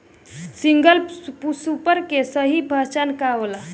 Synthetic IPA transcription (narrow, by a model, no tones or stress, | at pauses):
siŋɡəlpusupəɾkesəɦibʱət͡ʃankaʋəla